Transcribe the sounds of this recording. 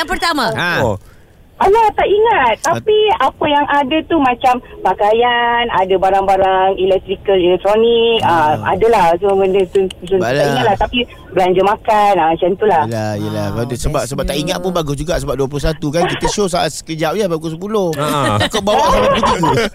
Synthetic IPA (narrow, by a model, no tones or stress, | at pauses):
jaŋpərt̪amã | alat̪aʔiŋat̪̚ːapiapəjaŋʔadət̪umãt͡ʃampakajanadəbaɾaŋbaɾaŋilɛk̚t̪ɾikəlilɛk̚t̪ɾonikəa̰dəlahsoməndət̪uut̪unaiŋat̪̚laht̪api | bəlaɲd͡ʒəmakanaat͡ʃant̪ulahlaijəlahkldsəbap̚səbap̚t̪aʔiŋat̪̚pʊnbaɡʊsd͡ʒuɡaʔsəbap̚duəp̬lohsat̪ukankit̪əʃos̬aat̪sə̥kəd͡ʒaʔjabakos̬əp̬ulohakawbawaʔsamat̪̚ɡuu